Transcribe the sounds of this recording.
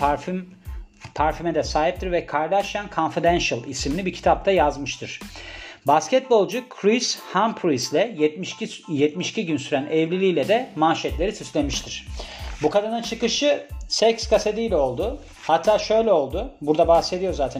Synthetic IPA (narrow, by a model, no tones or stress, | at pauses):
m | pʰaɾfimɛd̪ɛsaːɦip̚t̪ʰiɾvɛkʰaɾd̪aʃjankʰonfid̪ænʃalʲˠisimilʲibicʰi̥t̪ʰap̚t̪ʰajazmɯʃt̪ʰɯɾ̥bascʰɛt̪̚bo̞lˠd͡ʒukʰɾishampʰɾislʲɛ | jɛt̪miʃciɟynsyɾænɛvlʲilʲijlʲɛd̪ɛmaːʃɛt̪lʲe̞ɾisyslʲe̞miʃt̪ʰiɾ̝̥bukad̪anɯnt͡ʃʰɯkɯʃɯsɛcskʰased̪ijlʲɛo̞lˠd̪ʊ | hat̪ʰːaːʃø̞jlʲɛo̞lˠd̪ʊbuɾd̪abahse̞d̪ijo̞ɾzaːt̪ʰæ